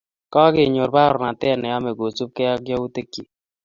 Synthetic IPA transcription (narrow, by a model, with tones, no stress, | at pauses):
kɔ˦ɡɪ˨ɲo˨ɾba˦ɾɔ˨na˨t̪ɛ˦˨nɛ˨a˦me˨ɡo˨t͡ʃu˦p̚kɛ˦a˦ɡjɔ˦u˦t̪e˦kːi˨